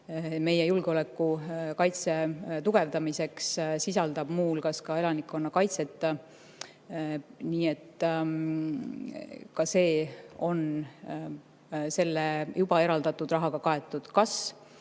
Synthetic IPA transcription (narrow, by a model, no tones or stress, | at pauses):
me̞jejulɡ̥eo̞le̞kːˑukɑjt̪se̞t̪uɡ̥e̞vd̪ɑmise̞kssisɑld̪̥ɑb̥muːlkɑskɑe̞lɑnikːo̞nːɑkɑjt̪se̞t̪ːˑ | niːe̞t̪ː | kɑse̞ːo̞n | se̞lːejub̥ɑe̞ɾɑld̪ɑt̪ːˑud̪rɑɦɑɡ̥ɑkɑe̞t̪ːˑud̪̥kɑs